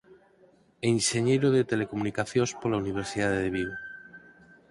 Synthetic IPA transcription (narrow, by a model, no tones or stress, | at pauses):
enʃeɲeɾoðet̪elekomunikaθjospolauniβ̞eɾsiðaðeðeβ̞iβo